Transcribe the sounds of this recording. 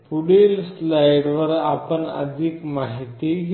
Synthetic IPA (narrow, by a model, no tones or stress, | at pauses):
puɽelslajɽʋəɾapəɳə̰d̪ʱikmaɦit̪iɦ